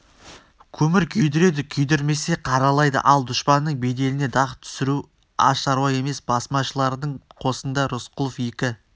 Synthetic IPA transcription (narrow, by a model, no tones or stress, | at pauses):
kʲʰɵmɪɾkʲʰʏjd̪ɪɾe̞d̪ɪkʲʰʏjd̪ɪɾme̞se̞qʰɑɾɑlˠɑjd̪ə̰ʔɑlˠd̪ʊʃpɑnːəɴbe̞d̪e̞lɪne̞d̪ɑʁt̪ʰʏ̥sɪɾu | ɑ̰ʃɑɾwɑje̞me̞sbɑsmɑʃəlˠɑɾd̪əɴqʰo̞sənd̪ɑɾʊsqʊlˠofje̞kʲɪ